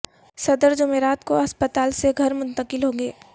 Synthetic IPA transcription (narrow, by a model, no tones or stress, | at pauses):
sɐd̪əɾd͡ʒʊmeːɾaːt̪koɐspət̪aːlseɡʱɐɾmʊ̃nt̪əqɪlɦoːɡeː